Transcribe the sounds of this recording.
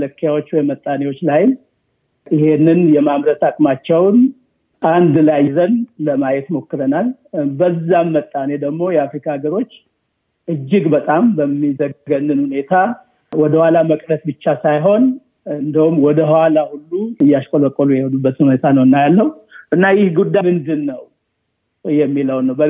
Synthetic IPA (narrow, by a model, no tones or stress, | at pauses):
mləkʰːjawot͡ʃːwɔjmət̪ʼːanewo̞t͡ʃːlajɪm | ʔɪhe̞nːɨnjɛmamɾət̪akʼmat͡ʃːɛwn | ʔand̪lajzənləmajɛt̪mo̞kːɨɾənal | bəzːamːət̪ʼːane̞d̪əɡmo̞jɛafɾikʰaɡəɾo̞t͡ʃː | ʔɨd͡ʒːɪɡbət̪ʼambəmːizəɡɡənːɨnhune̞t̪ʰa | wɔd̪əhwalaməkʼnəsbɨt͡ʃːasajɦo̞n | ɨnd̪iwumːwɔd̪əhwalahulːut̪ɨjːaʃkʼolokʼːolujɛhɛd̪ubːət̪ʰɨnhunet̪ʰanəwɨnːajalːəwuʔɨnːajɪhɡud̪ːajmɨnd̪ɨnːəw | jɛmːiləwnːəwbə